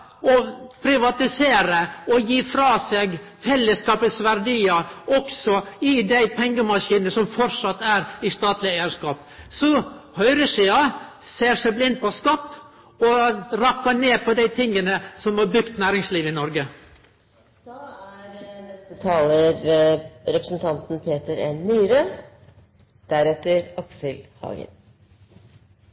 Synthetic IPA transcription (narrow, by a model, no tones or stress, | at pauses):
ɔpʰɾɪʋɑt̪ɪseːɾəɔjiːfɾɑːseːɡ | fɛlːəskɑːpəsʋæɾɖiːɑɔksɔɪd̪æɪpʰɛŋɡəmɑʂiːnəsɔmfɔɾʂɑt̪ːæɾɪst̪ɑːt̪lɪæɪəʂkɑːp̚ | sɔhœʏɾəsiːɑseːʂæɪblɪnd̪̚pʰɔskɑt̪ː | ɔɾɑpːɑneːpʰɔd̪æɪt̪ʰɪŋːənəsɔmhɑbɾʉkt̪næːɾɪŋsliːʋɪnɔɾɡə | d̪̥ɑæɾnɛst̪ət̪ʰɑːləɾ | ɾɛpɾəsn̩t̪ʰɑnt̪n̩pʰeːt̪əɾḛːnːyːɾə | d̪̥æɾɛt̪ːəɾɑksəlhɑ̰ːɡə̰n